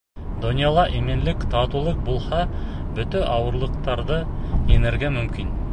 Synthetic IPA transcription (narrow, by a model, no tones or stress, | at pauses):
d̪onʲjalˠɑʔemenlɪkt̪ʰɑt̪ulˠɤq̚bulˠhɑ | bɵt̪ɘʔɑwɤ̆ɾlˠɤ̆qt̪ɑɾd̪ɤenɘɾɡʲemɵmkʲin